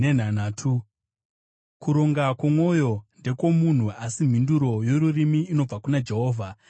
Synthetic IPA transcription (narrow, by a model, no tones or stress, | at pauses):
en̤anaːtʰu | kuɾo̞ŋɡakwomwo̞jo̞nde̞ko̞mun̤uasim̤induɾo̞joɾurimiːno̞b͡vakunad͡ʒe̞ɦo̞ːvʱa